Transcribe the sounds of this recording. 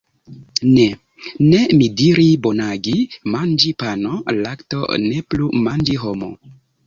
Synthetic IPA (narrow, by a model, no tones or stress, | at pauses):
ne̞ | ne̞midiɾibonaɡimand͡ʒipanolakto̞̰ne̞plumand͡ʒiɦomo̞̰